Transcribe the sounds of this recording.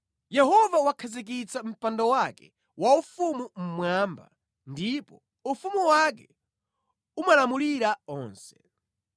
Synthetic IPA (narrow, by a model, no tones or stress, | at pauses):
jɛɦɔvawakʰazik̬it͡sam̩pandɔwakɛ | waufumum̩mwamba̰ | ndipɔ | ufumuwak̬ɛ | umalamuliɾaɔːnsɛ̥